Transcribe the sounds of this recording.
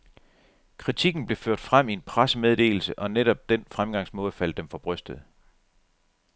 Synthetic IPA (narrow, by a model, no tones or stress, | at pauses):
kʰʁit͡sʰiɡ̥n̩b̥le̝føɐ̰d̥fʁam̰ie̝npʰʁasəmeð̞ˠd̥e̝̰ːl̩səʔɒ̽neɾ̥ɒ̽b̥̚d̥enfʁamɡ̥ɑ̈ŋ̰smɔ̽ːð̞̩ˠfæl̰d̥emfɒ̽b̥ʁœsd̥ð̩ˠ